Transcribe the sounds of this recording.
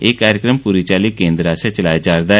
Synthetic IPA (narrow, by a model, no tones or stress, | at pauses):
eːkaːɾjəkɾəmpuːɾit͡ʃaːlikẽːnd̪ɾaːset͡ʃəlaːjad͡ʒaːɾd̪aː